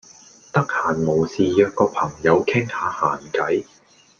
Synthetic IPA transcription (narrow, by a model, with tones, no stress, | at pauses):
t̪ɐ˥k̚haː˨˩nmo˨˩wsiː˨˧jœː˨˧t̚kɔː˧pʰɐ˨˩ŋjɐ˨˧wkʰɪ˥ŋhaː˨˧haː˨˩nkɐ˨˥j